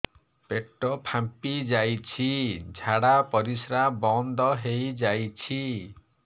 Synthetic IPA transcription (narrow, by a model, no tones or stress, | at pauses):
peʈːɔpʰampid͡ʒajt͡ʃʰid͡ʒʱaɽapɔɾisɾabɔnd̪ɔɦejd͡ʒajt͡ʃʰi